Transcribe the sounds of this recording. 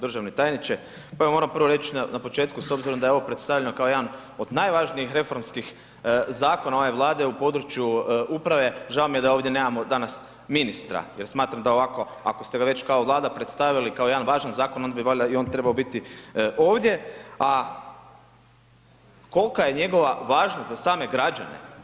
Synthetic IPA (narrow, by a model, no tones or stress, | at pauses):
d̪r̩ʒaʋnet̪aːjnit͡ʃe | paeamo̞ɾampr̩ʋoɾe̞t͡ʃinanapo̞t͡ʃe̞ːt̪kuso̞bziɾo̞md̪ajeoopɾet̪st̪aʋʎenokao̞jed̪an | o̞d̪najʋaʒniixɾe̞fo̞ɾmskix | zaːko̞nao̞ʋeʋlˠaːd̪e̞upo̞d̪ɾut͡ʃjuupɾaʋe̞ʒaomijed̪ao̞ːʋd̪jeneːmamod̪anas | minist̪ɾa̰jeɾsmaːt̪ɾamd̪ao̞ʋako̞ | a̰ko̞st̪e̞ɡaʋe̞t͡ɕkaoʋlˠaːd̪apɾet̪st̪aʋilikao̞jd̪anʋaːʒanzaːkono̞nd̪abiʋoʎaio̞nt̪ɾe̞baobit̪iʔo̞ːʋd̪ʲje̞a | ko̞lkaje̞ɲe̞ɡo̞ʋaʋaːʒnazasaːme̞ɡɾad͡ʒa̰nḛ